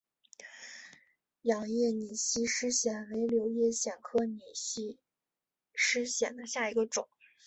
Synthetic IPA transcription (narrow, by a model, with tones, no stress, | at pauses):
jɑ˨˩ŋjɛ˥˩ni˨˩ɕi˥ʂɻ̩˥ɕjɛ˨˩nwe˧˥ɪljo˧˥ʊjɛ˥˩ɕjɛ˨˩nkʰɤ˥ni˨˩ɕi˥ | ʂɻ̩˥ɕjɛ˨˩nd̪ə˦ɕja˥˩i˧˥ɡə˧ʈ͡ʂʊ˨˩˦ŋ